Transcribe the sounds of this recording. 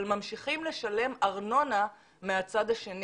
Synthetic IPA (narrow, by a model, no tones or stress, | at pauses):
lmamʃiχimle̞ʃale̞maʁno̞na | meat͡sad̪aʃe̞n